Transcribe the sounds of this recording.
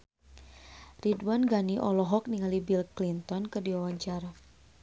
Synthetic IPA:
ridwanɡaniʔɔlɔɦɔk̚niŋalibilklint̪ɔnkərdiwawaɲt͡ʃaɾa

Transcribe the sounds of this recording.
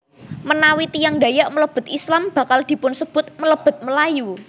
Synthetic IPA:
mənawit̪ijaŋɖa̤jaʔmələb̥ʊ̤t̪islamb̥ä̤kald̪̥i̤pʊnsəb̥ʊ̤t̪̚mələb̥ʊ̤t̪̚məlaju

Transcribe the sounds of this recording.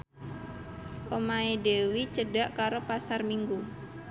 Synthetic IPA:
ʔomaedewit͡ʃəɖaʔkaɾopasarmiŋɡu

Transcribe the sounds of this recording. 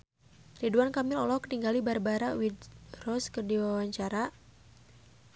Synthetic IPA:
riduankamɪlɔlɔkəniŋɡalibarbaɾawidrɔskərdiwawaɲt͡ʃaɾa

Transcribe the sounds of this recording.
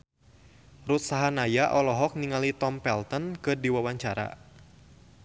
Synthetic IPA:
ɾut̪̚saɦanajaʔɔlɔɦɔk̚niŋalit̪ɔmpɛlt̪ənkɨdiwawaɲt͡ʃaɾa̰

